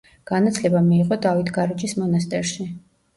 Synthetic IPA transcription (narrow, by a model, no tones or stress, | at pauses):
ɡ̥anat̪sʰlɛbamiːqʼɔd̪avit̪ʰɡaɾit͡ʃʼismɔnast̪ʼɛɾʃi